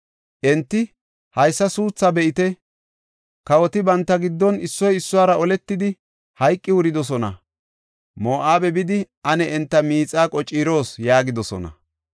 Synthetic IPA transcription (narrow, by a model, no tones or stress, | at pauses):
ʔɛnt̪ːɪ | hɐjsːɐsuːt͡sːabɛʔɪt̪ɛ | kɐwɔt̪ɪbɐnt̪ːɐɡɪd̪ːɔnɪsːɔjɪsːʊwaːɾɐɔlɛt̪ːɪd̪ɪ | hɐjkʼːɪwʊɾɪd̪ɔs̬ɔnɐ̰ | moːʔaːbɛbɪd̪ɪʔɐnɛɛnt̪ːɐmiːt͡sʼːaːkʼɔt͡ʃʼːiːɾo̞ːsjaːɡɪd̪ɔsɔ̰nɐ̰